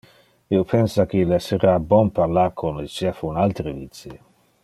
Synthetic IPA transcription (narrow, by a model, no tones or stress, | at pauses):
iopʰɛnsakelɛsəɾabɔnpaɾlarkʰonlet͡ʃɛfunalt̪ɾəvit̪si